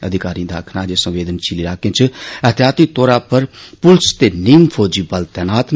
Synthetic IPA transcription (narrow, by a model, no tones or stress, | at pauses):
əd̪ʱɪkaːɾĩːd̪aːkʰnaːd͡ʒeːsə̃ʋʋeːd̪ənt͡ʃiliɾaːkẽt͡ʃʰəət̪jaːt̪iːt̪oːɾaːpəɾpʊlst̪eːniːmfʰoːd͡ʒiːbəlt̪ɛːnaːt̪n